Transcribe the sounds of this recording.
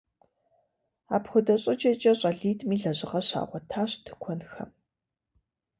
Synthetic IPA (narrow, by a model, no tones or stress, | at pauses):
a̰ːpχʷʊdɐɕʼɪd͡ʒʼɐt͡ʃʼɐɕʼɐɮiːtʼmiːɮɐʑɪʁɐɕa̰ːʁʷɔtʰaːɕtʰɨ̥kʷʰɔnxɐ̰m